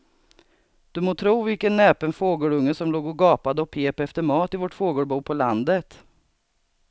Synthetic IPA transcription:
d̪̥ɵmoːt̪ʰɾuːvɪlkənːɛːpənfoːɡəɭɵŋːəsɔmloːɡɔɡɑːpad̪əɔpʰeːpɛft̪əɾmɑːt̪ɪvɔʈfoːɡəɽbuːpʰɔland̪ət̪

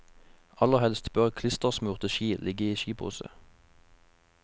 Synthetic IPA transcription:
ɑləʁhɛlst̪bœʁkʰlɪst̪əʁsmʉːʁt̪əʃiːlʔɪɡəiːʃiːphṵːsə̰

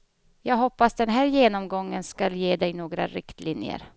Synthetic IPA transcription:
jɑːɡɦɔpːasd̪ɛnɦæːɾjeːnɔmɡɔŋːənskaljeːd̪ɛjnoːɡɾa̰ɾɪkt̪lɪnjə̰ɾ

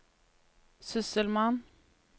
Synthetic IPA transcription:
sʏsəlman

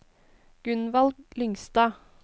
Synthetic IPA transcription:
ɡ̥ʉnʋɑlɡlʏŋst̪ɑː

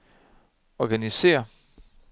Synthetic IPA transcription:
ɒɡ̥ænise̝̰ːɐ

